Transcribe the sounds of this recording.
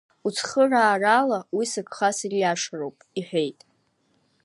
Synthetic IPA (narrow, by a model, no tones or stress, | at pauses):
ut͡sʰχəraːralawisɨkʰʼχasirjaʂrowpʼiħʷᶣe̞jtʼ